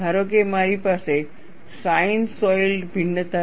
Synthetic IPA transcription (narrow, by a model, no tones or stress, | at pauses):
aɾokemaɾipaːse | sainsɔjlɖbʱiɳːət̪a